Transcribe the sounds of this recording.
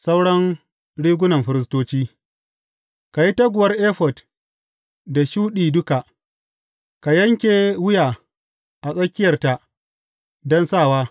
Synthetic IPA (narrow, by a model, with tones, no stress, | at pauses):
sa˦wɽɐ˦ŋ | ɽiː˦ɡʷʊ˦nɐ˨mɸɪ˦ɾɪ˦s̬toː˦t͡ʃiː˦ | ka˨ji˦tɐ˦ɡʷʊ˨wɐ˦rʔeː˦ɸɔ˨d | da˨ʃuː˦ɗiː˨dʊ˦ka˨ | ka˨jɐ˦ŋkʲeː˨wʊ˦jaː˨ | ʔa˨sʼɐ˦kʲːɪ˦jɐ˨rta˨ | dɔ˦nsaː˦˨waː˦